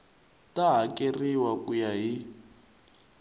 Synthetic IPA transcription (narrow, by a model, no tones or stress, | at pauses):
tʼaɦakʼeriwakʼujaɦi